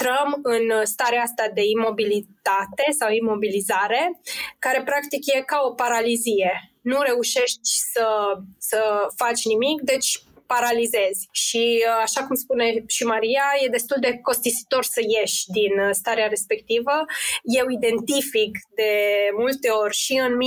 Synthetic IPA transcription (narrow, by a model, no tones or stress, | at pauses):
t̪ɾəmɨnst̪aɾeaast̪ad̪e̞imo̞bilit̪at̪e̞sawimo̞bilizaɾe̞kaɾe̞pɾakt̪ikje̞kao̞paɾalizije̞nuɾe̞uʃe̞ʃt̪ʲsəsəfat͡ʃʲnimikd̪e̞t͡ʃʲpaɾalize̞zʲʃiaʃakumspune̞ʃimaɾijaje̞d̪e̞st̪uld̪e̞ko̞st̪isi̥t̪o̞rsəje̞ʃʲd̪inst̪aɾeaɾe̞spe̞k̚t̪ivəje̞wid̪e̞nt̪ifikd̪e̞mult̪e̞o̞rʲʃiɨnm